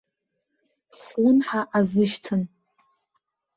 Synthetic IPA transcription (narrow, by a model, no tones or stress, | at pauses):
slɨnħaʔazɨʃtʰɨn